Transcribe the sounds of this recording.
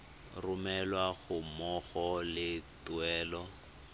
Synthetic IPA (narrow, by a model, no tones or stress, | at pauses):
rʊmɛlwaɣʊmɔɣɔlɪtuɛːlɔ